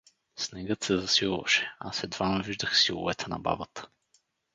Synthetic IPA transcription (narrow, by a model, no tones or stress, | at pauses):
snɛɡət̪sɛzɐsilˠvɐ̰ʃɛ̥asɛd̪vanoviʒd̪əxsilˠʊ̰vɛt̪ʰɛnɐ̰ba̰bət̪ə̥